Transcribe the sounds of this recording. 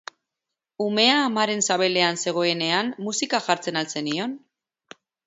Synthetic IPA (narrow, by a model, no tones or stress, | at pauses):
ume̞aːmaɾe̞nsaβ̞e̞le̞anse̞ɣ̞o̞e̞ne̞amːusikaʝaɾt͡se̞nalt͡se̞nio̞n